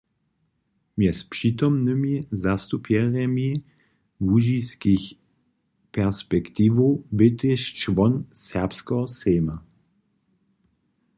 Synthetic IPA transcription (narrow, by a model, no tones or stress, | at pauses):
mjɛspʂit̪ɔmnɨmizast̪upjɛʁɛmi | vuʒiskix | pɛʁspɛkt̪iːvobɪt̪ɪʃt͡ʃvɔnsɛʁpskɔɔsɛːma